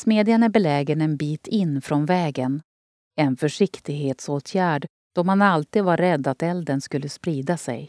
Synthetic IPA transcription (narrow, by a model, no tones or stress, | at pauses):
smeːd̪ɪanæbɛlɛːɡənɛnbiːt̪ʰɪnːfɾɔnvɛːɡən | ɛnfœʂɪkt̪ɪɡɦeːt̪soːt̪ʰjæːɖ | d̪̥ɔmhanalt̪iːd̪vaɾːɛd̪ːat̪ɛld̪ənskɵlːəspɾiːd̪asɛ̰j